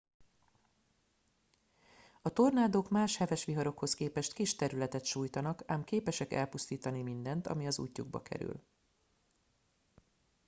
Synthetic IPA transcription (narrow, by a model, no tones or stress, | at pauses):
ɒt̪o̞rnaːd̪oːkmaːʃhɛvɛʃʋiɦɒɾo̞kho̞skeːpɛʃt̪kiʃt̪ɛɾylɛt̪ɛt̪ʃuːjt̪ɒnɒkaːmkeːpɛʃɛkɛ̰lpust̪iːt̪ɒnimind̪ɛnt̪ɒ̰miɒzṵːcːuɡ̚bɒ̰kɛ̰ɾy̰l